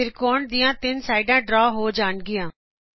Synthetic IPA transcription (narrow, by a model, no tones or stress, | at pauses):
ɪɾkoːɳd̪ijãːt̪ɪnsaːɪɖãːɖɾɔːɦoːd͡ʒaːɳɡɪjãː